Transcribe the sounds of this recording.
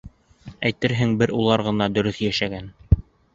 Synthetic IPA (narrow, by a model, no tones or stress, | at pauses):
æjt̪ɘɾɦɘŋbɘɾulˠɑɾʁɤ̆nɑd̪ɵ̆ɾɵθjæʃæɡæn